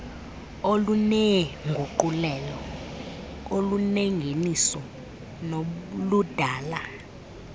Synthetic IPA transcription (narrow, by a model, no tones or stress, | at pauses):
olunɛŋɡʱuǃulɛːlɔ | oluneŋɡʱenisɔ | nolud̥ʱaːla